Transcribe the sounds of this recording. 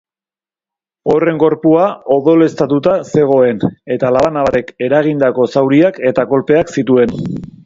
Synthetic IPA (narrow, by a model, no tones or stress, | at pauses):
o̞re̞ŋɡo̞ɾpuao̞ðo̞le̞st̪at̪ut̪ase̞ɣ̞o̞e̞ne̞t̪alaβanaβat̪e̞ke̞ɾaɣ̞ind̪ako̞sawɾiake̞t̪ako̞lpe̞aksit̪ue̞n